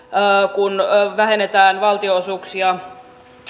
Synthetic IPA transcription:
kunʋæɦenet̪æːnʋɑlt̪ioosuːksiɑ

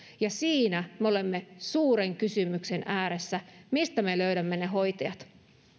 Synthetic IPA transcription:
jɑsiːnæmeo̞le̞mːesuːɾe̞ŋkysymykse̞nʔæːɾe̞sːæmist̪æme̞løɥdæmːe̞ne̞ɦo̞jt̪ɑjɑt̪

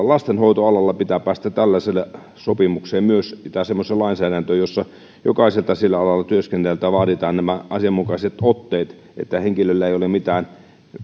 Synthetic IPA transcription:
lɑst̪enhoit̪oɑlɑlːɑpit̪æpæːst̪æt̪ælːæselː | sopimukseːmmyøsit̪æsemːoselɑˑinsæːdænt̪øːjosːɑ | jo̰kɑˑiselt̪ɑsilːæɑlɑlːˑɑt̪yøskenːelt̪æʋɑːɾit̪ɑːnnæmæʔɑsiɑmːukɑiset̪ot̪ːeːt̪ | ʔḛt̪ːæheŋkilølːæeˑijolemit̪æːn

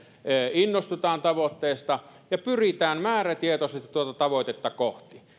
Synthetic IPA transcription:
əinːost̪ut̪ɑːnt̪ɑʋot̪ːeːst̪ɑjɑpyrit̪æːmmæːræt̪iet̪oset̪t̪uot̪ɑt̪ɑʋot̪et̪ːɑkoht̪i

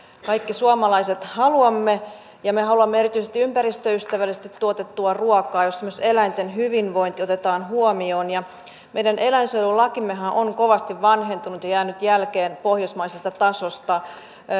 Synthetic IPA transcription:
kɑikːisuɑmɑlɑiset̪hɑluɑmːe | jɑmehɦɑluɑmːeerit̪yisest̪iympærist̪øyst̪æʋælisest̪it̪tuot̪et̪ːuɑruɑkɑːjosemːoselæint̪enɦyʋinʋo̞int̪iot̪et̪ɑːnɦuomioːnjɑ | mejdænʔelæinsølulɑkimːeɦæʔoŋkoʋɑst̪iʋʋɑnɦe̞nt̪unut̪jɑjæːnyt̪jælkeːnpohjosmɑisest̪ɑt̪ɑsost̪ɑ

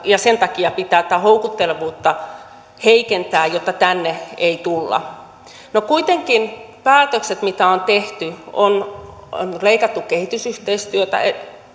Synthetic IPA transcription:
jɑsent̪ɑkiɑpit̪æːt̪æhoukut̪ːelʋuːt̪ːɑ | heikent̪æːjjot̪ːɑt̪ænːeeit̪ulːɑ̰ | nokuit̪eŋkin | pæːt̪økset̪mit̪æont̪eht̪yon | nleikɑt̪ːukkehit̪ysyht̪eist̪yøt̪æ̰e

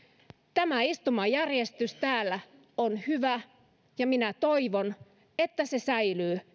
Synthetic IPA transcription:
t̪æmæist̪umɑjærjest̪yst̪æːlːæ | onhyʋæ | jɑminæt̪oiʋon | et̪ːæse̞sæjlyː

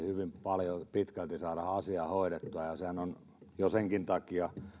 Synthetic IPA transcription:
hyʋimpɑljopit̪kælt̪isɑːɾɑhɑsiɑhoiɾet̪ːuɑjɑsehænon | joseŋkint̪ɑkiɑ

